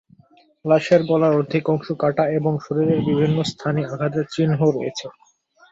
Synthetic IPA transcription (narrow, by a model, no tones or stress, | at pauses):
laʃeɾbɔlaɾod̪ʱikɔŋʃokaʈaeboŋʃoɾiɾeɾbibʱinːost̪ʰaniaɡʱat̪̬et͡ɕinɦoɾojet͡ɕʰe